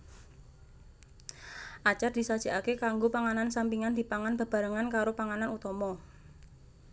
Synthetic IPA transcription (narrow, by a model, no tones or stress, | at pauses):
ʔat͡ʃard̪̥i̤sad̥ʒ̥a̤ʔakekaŋɡopaŋanansampiŋand̪̥i̤paŋanb̥a̤b̥a̤ɾaŋankaɾopaŋananut̪ɔmɔ